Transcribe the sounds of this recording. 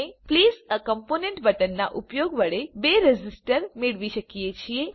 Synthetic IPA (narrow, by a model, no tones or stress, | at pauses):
epliːzəkəmponeɳʈbəʈənːa̰ʔupjoɡʋəɽebeɾed͡ʑisʈəɾmiɭʋiɕəkijet͡ɕije